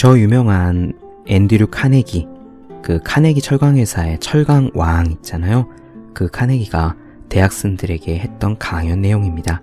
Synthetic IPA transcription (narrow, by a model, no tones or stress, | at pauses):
t͡ɕʌjumjʌŋɦan | e̞ndiɾukʰane̞ɡi | kɯkʰane̞ɡit͡ɕʰʌɭɡaŋɦwe̞sʰae̞t͡ɕʰʌɭɡaŋwaŋit̚t͡ɕ͈anajo | kɯkʰane̞ɡiɡa | te̞ɦak̚s͈ɯmdɯɾe̞ɡe̞he̞t̚t͈ʌnkaŋjʌnːe̞joŋimɲida